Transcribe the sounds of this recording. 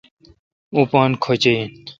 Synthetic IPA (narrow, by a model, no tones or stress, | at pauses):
upɑ̃ːnkʰot͡ɕein